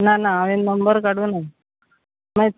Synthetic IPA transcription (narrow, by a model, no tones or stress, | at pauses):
nanaːʋennːəmbəɾkaɽũna | maj